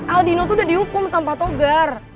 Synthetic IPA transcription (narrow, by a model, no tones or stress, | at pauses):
ʔaldinot̪̬uːdadiukʊmsampat̪oɡar